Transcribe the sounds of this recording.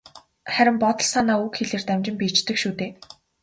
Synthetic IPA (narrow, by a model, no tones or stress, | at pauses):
χæɾʲɪ̆mpɔt̪ɞ̆ɮsanaːukxeɮeːrt̪æmt͡ɕɪ̆mpiːt͡ɕt̪ɘ̆kʃuːt̪eː